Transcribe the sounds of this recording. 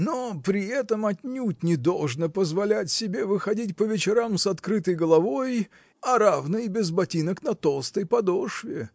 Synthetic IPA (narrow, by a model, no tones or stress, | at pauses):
nopɾʲɪɛt̪əmɐtʲnʲutʲnʲɪd̪o̞lˠʐnəpəzvɐlʲætʲsʲɪbʲe̞vɨxɐdʲit̬ʲpəvʲɪt͡ɕɪɾamsɐt̪kɾɨt̪əjɡəlˠɐvo̞j | ɐɾavnɨbʲɪzbɐtʲinəknɐt̪o̞lˠst̪əjpɐd̪oʂvʲɪ̰